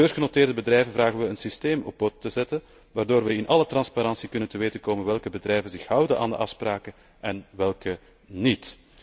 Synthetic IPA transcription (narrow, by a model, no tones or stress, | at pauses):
bøːrɣənoteːrdəbədrɛjvənvraːɣənʋəənsisteːmɔ̰b̚bɔtːəzɛtən | ʋaːrdoːrʋɛɪnʔɑlətrɑnspaɾɑnsikɵnəntəʋeːtənkoːmənʋɛlˠkəbədrɛjvənzɪxhʌwdənʔa̰ːndə̰ʔɑfspraːkə | ʔɛnʋɛlˠkə | nit